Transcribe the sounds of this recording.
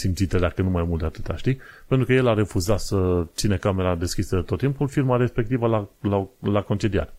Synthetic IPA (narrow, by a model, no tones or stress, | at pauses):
simt̪sit̪ed̪akənumajmult̪d̪eat̪ɨt̪a̰ʃt̪ipent̪ɾukəje̞laɾe̞fuzat̪sət̪sinekame̞ɾad̪e̞skisəd̪et̪ot̪ːimpulfirmaɾespe̞k̚t̪ivəlalalako̞nt͡ʃelia̰t̪